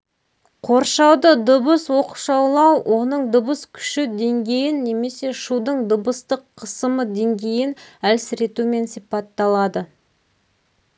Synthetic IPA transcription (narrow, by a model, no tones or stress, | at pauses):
qʰo̞ɾʃɑwd̪əd̪ʊbəswo̞qəʃɑwlˠɑwwʔo̞nəɴd̪ʊbəskʲʰʏ̥ʃɪd̪e̞ŋɡʲe̞jɪnːe̞me̞se̞ʃud̪əɴd̪ʊbəst̪əqʰːəsəməd̪e̞ŋɡʲe̞jɪnælsɪɾe̞t̪ume̞nsijpɑt̪ːɑlˠɑd̪ə